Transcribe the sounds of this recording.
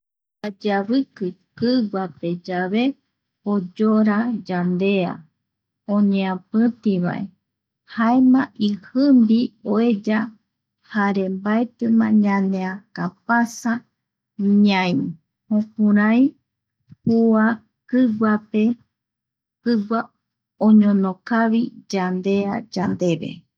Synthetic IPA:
ad͡ʒaβɨkɨkɨɡape̞d͡ʒaβe̞ | od͡ʒoɾad͡ʒand̪e̞a̰ | õɲẽãpɨ̃t̪iβa̰ʔe | haemãʔihɨmbioed͡ʒa | haɾe̞mbaet̪ɨmãɲãnẽakapasa | ɲãĩ | hõkũɾãj | hua | kɨɡape̞ | kɨɡʷa | õɲõnokaβid͡ʒand̪e̞ad͡ʒand̪e̞βe̞̰

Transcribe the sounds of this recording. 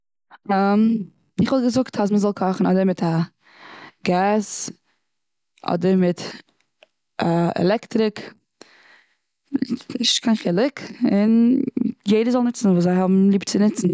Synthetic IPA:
am | ɪχɔlˠɡəzʊktʰas̬məzɔlˠkʰɔχn̩ɔ̰dəɾmɪtʰa | ɡaːs | ʔɔ̰dəɾmɪt | ʔaɛ̰lɛktɾɪk | ɪʃkʰaɪnχɪlˠɪkɪn | jeɪdəzɔlˠnɪt͡sn̩vuːszaɪhɔbm̩lˠiːbt͡sɪnɪt͡sn̩

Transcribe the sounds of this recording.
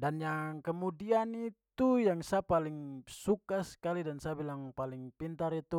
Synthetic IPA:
danjaŋkəmudianit̪ujaŋsapaliŋsukasə̥kalidansabilaŋpaliŋpint̪aɾit̪u

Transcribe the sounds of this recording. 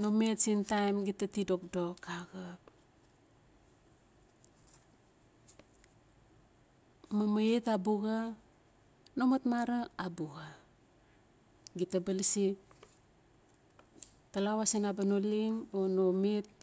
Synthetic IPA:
nometsintajmɡitatidok̚dokaɡa | mamaetabuɡa | nomatmaɾaabuɡa | ɡitabalsi | talawasenabanoliŋonomet̚

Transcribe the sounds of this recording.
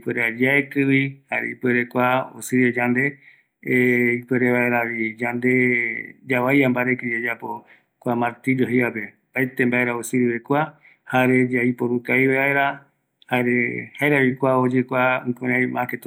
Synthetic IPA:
ipʷeɾad͡ʒaekɨβihaɾḛipweɾekʷao̰sɨɾed͡ʒand̪e̞ | ikweɾeβaeɾaβid͡ʒand̪ed͡ʒawajambaɾekɨd͡ʒed͡ʒapo | kʷamaɾt̪id͡ʒoɦiape̞ | paet̪embaeɾaosɨɾiβekʷa | haɾed͡ʒaipoɾukaiβeβaeɾa | haɾehaeɾaβikʷaod͡ʒekʷaɨkuɾãjmãket̪

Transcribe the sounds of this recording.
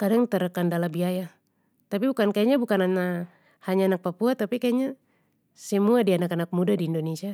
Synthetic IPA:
kadaŋt̪ɛɾakandalabiaja | t̪apibukankajaɲabukanana | haɲaːnak̚papuat̪apikajaɲa | sɛmuadianakanak̚mudadiːndɔnesia

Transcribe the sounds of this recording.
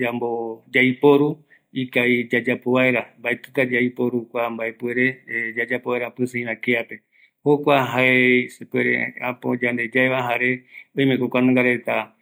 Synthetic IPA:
d͡ʒambod͡ʒajpo̞ɾu | ikaid͡ʒad͡ʒapoβaeɾambaet̪ɨt̪ad͡ʒaipo̞ɾukʷambaepwe̞ɾe̞d͡ʒad͡ʒapoβaeɾapɨsẽĩβãkeape̞ | hokʷaɦaesepweɾḛapod͡ʒand̪e̞d͡ʒaeβaɦaɾeõj̃mẽkokʷanãŋɡaɾet̪a

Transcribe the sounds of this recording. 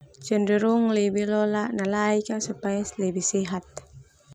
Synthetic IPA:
t͡ʃəndəɾuŋlɛbilɔlaʔnalaikasupajaslɛbisɛɦat̪̚

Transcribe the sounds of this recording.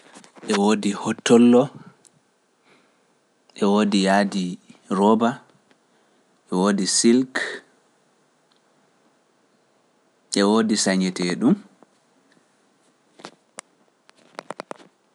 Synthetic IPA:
ʔɛwoːdihɔtʰːɔlːɔ | ʔɛwoːdijaːdiɾɔba | ʔɛwoːdisilk | ʔɛwoːdisaɲɛtɛɗum

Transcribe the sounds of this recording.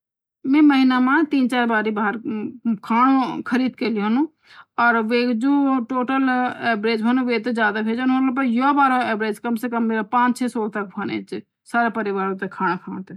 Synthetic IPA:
mẽːməɦɪnamãt̪iːnt͡ʃaːɾbaːɾibaːɦəɾkʰaːɽ̃okʰəɾiːd̪̚keliɦənũ | ɔːɾʋed͡ʒoːʈoːʈəleːbɾeːd͡ʒbʱɐnũʋeːt̪̬ed͡ʒjaːd̪akʰeːd͡ʒnɦolop̬ɐjobaːɾoeːbɾeːd͡ʒkɐmsekɐmːeːɾapãːt͡ʃt͡ʃʰeːsoːlt̪ɐk̚bʰʱɐnḛt͡ʃ | saːɾapɐɾɪʋaːɾõt̪ekʰaːɽ̃akʰãːnt̪e

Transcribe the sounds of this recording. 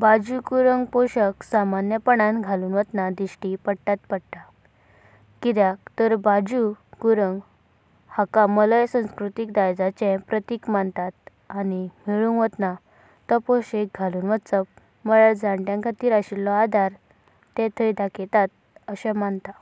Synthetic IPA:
bad͡ʑukuɾəŋɡpoɕəksamanjəpəɳ̃ãnɡʱaluːnʋət̪nad̪iɕʈipəɽʈ̪at̪pəɽʈ̪a | kid̪jak̚t̪əɾbad͡ʑukuɾəŋɡ | hakamələjsə̃w̃skɾut̪ikd̪ajd͡zat͡ɕɛ̃pɾət̪iːkmant̪at̪̚ | animiɭunʋət̪na | t̪ɔpoɕek̚ɡʱaluːnʋət͡səp | məɭaɭd͡zãɳʈjãkʰat̪iːɾaɕilːɔad̪ʱaɾ | t̪ɛ̃t̪ʰəjd̪akʰɛt̪at̪̚ | əɕɛ̃mant̪a

